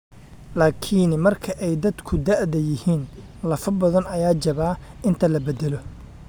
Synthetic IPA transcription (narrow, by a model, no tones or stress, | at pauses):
laːkʰinmɐrkʰɐʔɛjd̪ɐd̪kʰʊd̪aʔðɐjɪhiːn | lɐfɐbɐðɐnɐjaːd͡ʒɐβaːɪnt̪ʰɐlɐbɛd̪ɛlɔ